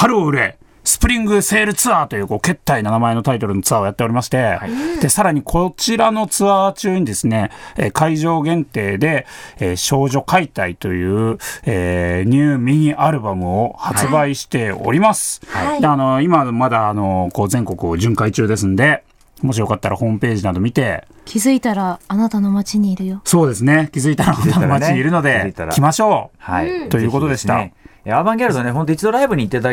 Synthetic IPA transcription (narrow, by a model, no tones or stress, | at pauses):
haɾɯ̟oɯ̟ɾe̞ | sɨ̥pɯ̟ɾʲĩŋɡɯ̟se̞ːɾɯ̟t͡sɨaːt̪o̞jɯ̟ːko̞ːke̞t̪ːainanamae̞no̞t̪ait̪o̞ɾɯ̟not͡sɨaojat̪ːe̞o̞ɾʲimaɕi̥t̪e̞d̪̥e̞saɾaɲ̟ikʰo̞t͡ɕiɾano̞t͡sɨat͡ɕɨːɲ̟id̪e̞sɨne̞ekaiʑo̞ːɡẽ̞nt̪e̞ːd̪e̞eːɕo̞ːʑo̞kait̪ait̪o̞jɯ̟ːeːɲ̟ʲɨːmʲiɲ̟iʔaɾɯ̟bamɯ̟o̞hat͡sɨbaiɕi̥t̪e̞o̞̰ɾʲimasɨ̥ad̪eano̞imamad̪aːno̞ko̞ːzẽ̞ŋko̞kɯ̟oʑɨ̃ŋkait͡ɕɨːd̪e̞sɨ̃nd̪e̞ | mo̞ɕ̬ijo̞kat̪ːaɾahõ̞ːmɯ̟pe̞ːʑinad̪o̞mʲit̪e̞ | kʲʰizɨit̪aɾaːnat̪ano̞mat͡ɕiɲ̟iːɾɯ̟joso̞ːd̪e̞sɨne̞kʲizɨit̪aɾaat̪anmaiɲɲiɾɯ̟no̞d̪e̞it̪aɾ̰kʲimaɕo̞ːhait̪o̞jɯ̟ːkot̪o̞d̪e̞ɕit̪a̰eabãŋɡʲeaɾɯt̪oneɦont̪oit͡ɕid̪o̞ɾaibɯ̟ɲ̟iːt̪ːet̪a